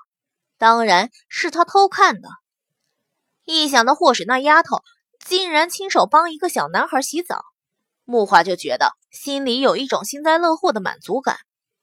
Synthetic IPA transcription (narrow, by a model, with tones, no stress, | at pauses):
t̪ɑ˥ŋɻa˧˥n | ʂɻ̩˥˩t̪ʰa˥t̪ʰo˥ʊkʰa˥˩nd̪ə̰˩ | i˥˩ɕ̬jɑ˥˩ŋd̪ə˧xwɔ˥˩ʂ̩˨˩na˥˩ja˥t̪ʰo˥˩ʊ | t͡ɕi˥˩nɻa˧˥nt͡ɕʰi˥ŋʂo˨˩ʊpɑ˥ŋi˧˥ɡə˧ɕjɑ˨˩ʊna˧˥nxə˞˧˥ɕi˧˥t͡sɑ̰˨˩˦ | mu˥˩xwa˥˩t͡ɕjo˥˩ʊt͡ɕɥɛ̰˧˥d̪ə̰˧ | ɕi˥nli˧˥jo˨˩ʊi˥˩ʈ͡ʂʊ˨˩ŋɕi˥nt͡sa˥˧ɪlɤ˥˧xwɔ˥˩d̪ə˩ma̰˨˩nt͡su˧˥ka̰˨˩˦n